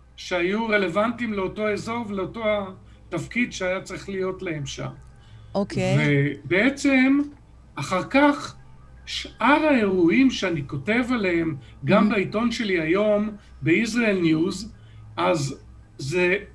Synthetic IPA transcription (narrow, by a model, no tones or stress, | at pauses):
ʃeajuʁe̞le̞vantimleoto̞e̞zo̞ʁvleoto̞a | tafkidʃeajat͡saʁiχlijo̞tleemʃa̰m | okvebeet͡se̞m | aχaʁkaχ | ʃʔaʁae̞ʁuimʃeaniko̞te̞valehem | ɡambaito̞nʃe̞liajo̞m | beisʁaelnjuz | ʔazː | e